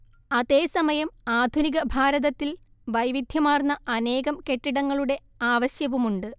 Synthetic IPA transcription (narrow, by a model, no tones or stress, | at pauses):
ɐðe̞ːsɐmɐjɐmaːd̪ʱuniɣɐbʱaːɾɐðɐt̪ːil | ʋɐjʋid̪ʱjɐmaːrnːɐɐne̞ːɣɐmke̞ʈːiɽɐŋːɐɭuɽe̞ | aːʋɐɕjɐʋumuɳɖɨ